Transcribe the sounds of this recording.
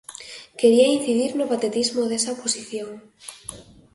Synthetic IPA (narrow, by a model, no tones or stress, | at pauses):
ke̞ɾiain̟θiðiɾnopat̪et̪izmoðesaoposiθjoŋ